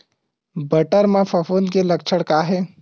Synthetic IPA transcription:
bɐʈəɾmãfɐfoːnkelɐkt͡ʃʰəɽkaːɦɛː

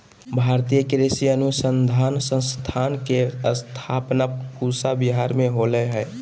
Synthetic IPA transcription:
bʱaɾt̪ijəkɾesiənusənd̪ʱaːnsə̃st̪ʰankeəst̪ʰapnapusabiɦaɾmeɦoləɦɛː

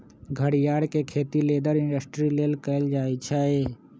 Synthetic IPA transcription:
ɡʱəɽijaːɽkekʰeːt̪ileːd̪əɾɪɳɖəsʈɾileːlkəɪld͡ʒaːet͡ʃʰɛe

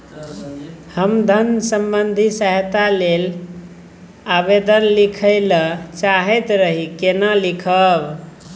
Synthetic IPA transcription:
həmd̪ʱənsəmbənd̪ʱisəɦt̪alel | abed̪ənlikʰəɪlət͡ʃaɦɛt̪ɾəɦikenəlikʰəb

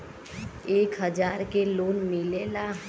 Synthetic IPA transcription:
eːkɦəd͡ʒaːɾkeloːnmɪleːlaɦ

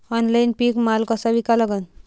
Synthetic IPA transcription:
ɔnlainpikmalkasabikaləɡən

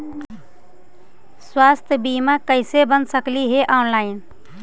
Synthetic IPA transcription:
swast̪ʰjəbimakəɪsebənsəkliɦeʔɔnlaɪn

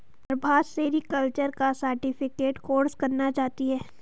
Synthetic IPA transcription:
pɾbʱaːseɾikəlt͡ʃəɾkasəɾʈɪpʰɪkeːʈkoːɾskɐɾnat͡ʃaːt̪iɦɛː

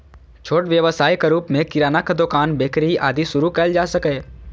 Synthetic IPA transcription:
t͡ʃʰoːʈʋjəʋəsaːjkaɾuːpmẽkɪɾaːnakad̪okaːnbeːkɾiiʔaːd̪isʊɾukɛld͡ʒaːsɐkeː

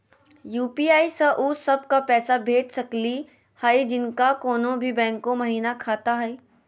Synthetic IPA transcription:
juːpiːaːisɐʔuːsɐb̚kapɛːsabʱeːʈsɐkli | haːid͡ʒɪnkakoːnõbʱibɛ̃ːŋkõmɐɦiːnakʰaːt̪aɦɛiː

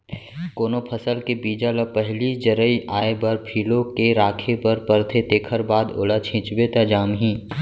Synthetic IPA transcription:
koːnopʰəsəlkebiːd͡ʒaləpɛɦlid͡ʒəɾəiʔaːebɐɾpʰiːlokeɾaːkʰepɐɾpəɾt̪ʰet̪eːkʰəɾbaːd̪o̰ːlat͡ʃʰɪ̃ːt͡ʃbet̪ad͡ʒaːmɦĩː

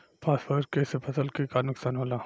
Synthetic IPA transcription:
pʰaːspəɾdkesepʰɐsəlkikanʊksaːnɦoːlaː

